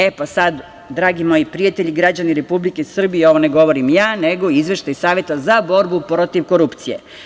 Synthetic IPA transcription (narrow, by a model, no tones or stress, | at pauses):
epasad̪ | d̪ɾaːɡimo̞jipɾijat̪eʎiɡɾad͡ʑaniɾe̞publikesr̩bijeo̞ʋoneɡo̞ʋo̞ɾimjaːneɡo̞izʋe̞ʃt̪ajsaːʋje̞t̪azabo̞ɾbupɾo̞t̪iʋko̞ɾupt̪sije̞̰